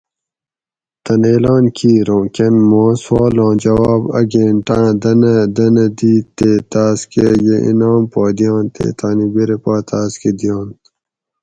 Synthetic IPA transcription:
t̪ɐneːlãːnkʰiːɾõːkenmõːswɑːlɑ̃ːd͡ʑɐwaːbɐ̰ɡẽːɳʈãːd̪ɐnɐd̪ɐnɐd̪iːt̪eːt̪aːskejeʔḭnaːmpaːd̪ijɑ̃ːnt̪ḛːt̪ʰaːnibiɾepaːt̪ʰaːsked̪ijɑ̃ːn

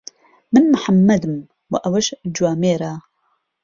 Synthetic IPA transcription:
mɨnmɨħamːɐd̪ɨm | wɐ̰ʔɐwɐʃd͡ʒuwaːmeːɾaː

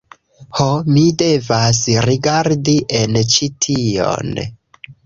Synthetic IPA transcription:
homide̞vasɾiɡaɾdiʔe̞nt͡ʃitʰio̞̰n

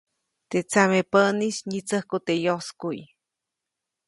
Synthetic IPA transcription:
t̪et͡samepəniʃɲit͡səhkut̪ejoskuj

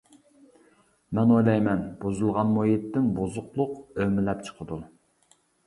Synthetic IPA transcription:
mɛnojlˠɑjmɛnbuzulˠʁɑnmojet̪ːɪnbozʊqlˠʊqømɪlɛp̚t͡ʃʰə̥qʰəd̪u

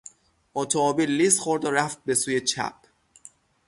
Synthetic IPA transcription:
ʔot̪ʰoɒːbiːlːist̪xoɾd̪ɒɾæft̪̚be̞suːje̞t͡ʃʰæ̰p̚

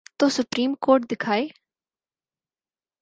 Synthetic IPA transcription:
t̪osʊpɾiːmkoːɾʈ̚d̪ɪkʰaːj

